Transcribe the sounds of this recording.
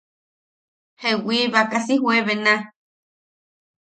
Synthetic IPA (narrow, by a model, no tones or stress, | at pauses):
hewiβakasiɦweβenã